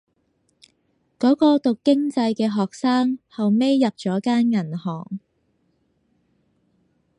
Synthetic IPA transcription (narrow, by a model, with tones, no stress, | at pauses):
kɔː˨˥kɔː˧t̪ʊ˨kːɪ˥ŋt͡sɐ˧jkɛː˧ɦɔː˨k̚saː˥ŋhɐ˨wme˥jːɐ˨p̚t͡ʃɔː˨˥kaː˥nŋɐ˨˩nhɔː˨˩ŋ